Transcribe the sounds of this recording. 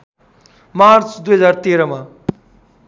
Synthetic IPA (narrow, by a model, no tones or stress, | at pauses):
mart͡sd̪ujɦʌd͡zart̪eɾʌma